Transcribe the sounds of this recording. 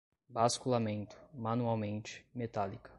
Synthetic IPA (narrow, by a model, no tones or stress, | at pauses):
baskulamẽnt̪ʰʊ̥manuawmẽnt͡ʃɪ̥met̪alikɐ̥